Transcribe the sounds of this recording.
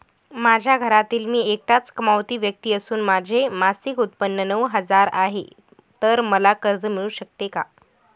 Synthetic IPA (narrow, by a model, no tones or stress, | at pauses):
mad͡ʑʱjaɡʱəɾat̪iːlmiːek̚ʈat͡skəmaʋt̪iːʋjək̚t̪iːəsuːnmad͡ʑʱemasikut̪̚pənːənəʋɦəd͡zaɾa̰ɦḛ | t̪əɾməlakəɾd͡zəmiɭuːɕək̚t̪eka